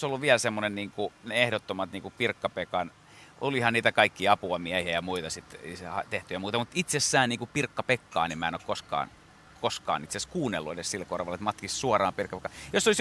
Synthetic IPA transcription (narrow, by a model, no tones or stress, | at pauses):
solːuʋʋiælsemːonenniːŋkuneehdot̪ːomɑt̪niːŋkupirkːɑpekɑn | ʔolihɑnniːt̪ækɑikːiɑpuɑmiæhiæjɑmuit̪ɑsit̪ḛisehɑt̪eht̪yjæmuːt̪ɑmut̪it̪sesːæːnniːŋkupirkːɑpekːɑ̰ːniemæenokkoskɑ̰ːn | koskɑ̰ːnit̪seskuːnːelːuedessilkorʋɑlːet̪mɑt̪kissuɑrɑːmpirkːɑpekːɑjosːolis